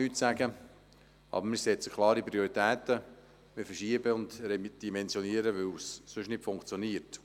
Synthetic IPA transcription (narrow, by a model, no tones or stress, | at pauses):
yːtsæɡə | ʔɑ̰ːbəɾmɪsɛt͡sə̥kʰlˠɑːɾipɾioɾit̪ɛːt̪ə | mɪfəʃiəbəʊndɾɛd̥imɛnsjɔniəɾəʋɪwsːʏʃnɪtfʊŋkt͡sjoniːəɾt